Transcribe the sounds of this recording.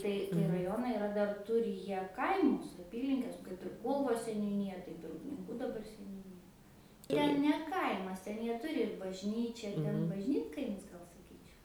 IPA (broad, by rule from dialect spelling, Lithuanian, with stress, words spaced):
ˈtɐɪ tɐɪ rɐˈjoːnɐɪ ɪˈrɐ dɐr ˈtʊrʲɪ ˈjiɛ ˈkɐɪmʊs ɐˈpʲiːlʲɪŋʲkʲɛs kɐɪp ɪr ˈkuːlˠʋoːs sʲɛnʲuːˈnʲiːjɛ ˈtɐɪp ɪr ʊpʲnʲɪŋˈkuː dɐˈbɐr sʲɛnʲuːˈnʲiːjɛ ˈtʲɛn nʲɛ ˈkɐɪmɐs ˈtʲɛn ˈjiɛ ˈtʊrʲɪ ɪr bɐʒʲˈnʲiːt͡ʃʲɛ ˈtʲɛn bɐʒʲˈnʲiːtkɐɪmʲɪs ˈɡɐlˠ sɐˈkʲiːt͡ʃʲɛʊ